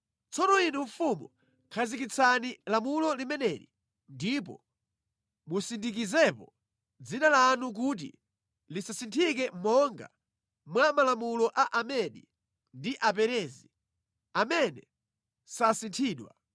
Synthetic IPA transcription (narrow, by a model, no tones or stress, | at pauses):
t͡sɔnɔinuɱfumṵ | kʰazik̬it͡sʰanilamulɔlimɛnɛɾḭ | ndip̬ɔ̰ | musindikizɛpɔ | d͡zinalanuk̬ut̬ḭ | lisasintʰik̬ɛmɔŋɡa̰ | mwamalamulɔʔaʔamɛɗḭ | ndiʔapɛɾɛːzi | amɛnɛ | sasintʰiːɗwa̰